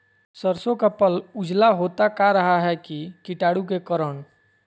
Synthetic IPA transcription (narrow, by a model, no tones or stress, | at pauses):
səɾsõkapəlʊd͡ʒlaɦoːt̪akaɾəɦaɦɛkikɪʈaːɽukekəɾəɳ